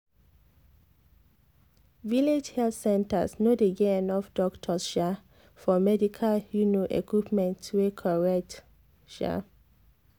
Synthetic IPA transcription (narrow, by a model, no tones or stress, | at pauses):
viled͡ʒhɛltsɛ̃nta̰snodeɡeɛnɔfdɔktʰɔsʃa | fɔmɛdikʰalhjunoʔḛkwipmɛ̃ntwekʰɔɹɛk̚t | ʃa̰